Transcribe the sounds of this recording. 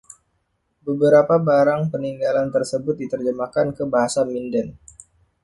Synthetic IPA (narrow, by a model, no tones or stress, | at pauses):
bəbəɾapabaɾaŋpəniŋɡalant̪ərsəbʊt̪̚dit̪ərd͡ʒəmakankəbaɦasamindən